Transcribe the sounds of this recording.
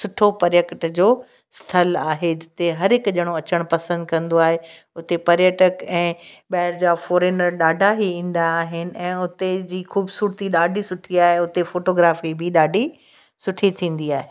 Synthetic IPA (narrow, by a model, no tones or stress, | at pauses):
sʊʈʰopɐɾjəkʈd͡ʑoː | st̪ʰɐlaːɦed͡ʑɪt̪eɦɐɾɦɪkʄɐɽ̃oɐt͡ɕəɽ̃pɐsə̃nd̪kɐ̃nd̪oaːɦe | ʊt̪epɐɾjəʈəkɛ̃ːɓɛːɪɾd͡ʑaːfoːɾeːnəɾɗaːɖʱaɦiĩːn̆d̪aːɦɪnɪ̆ɛ̃ːʊt̪ed͡ʑiːxuːbsuːɾt̪iɗaːɖʱisʊʈʰiaːɦeʊt̪efoːʈoːɡɾaːfibɪɗaːɖʱi | sʊʈʰit̪ʰĩːn̆d̪iaːɦeː